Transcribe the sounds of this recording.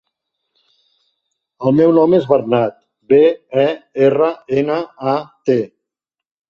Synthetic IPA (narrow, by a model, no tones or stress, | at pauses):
əlˠmɛwnɔmezβərnat̪̚ | beɛerəenəat̪e